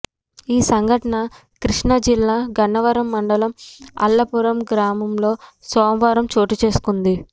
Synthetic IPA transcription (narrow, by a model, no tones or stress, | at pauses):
iːsɐŋɡʱɐʈɐɳɐ | kɾiʂɳɐd͡ʒilːaːɡʱɐnːɐʋɐɾɐmːɐɳɖɐlɐmɐ̰lːɐpuɾɐmɡɾaːmɐmlo̞ːsɔːmʋaːɾɐmt͡ʃoːʈut͡ʃe̞ːsu̥kund̪i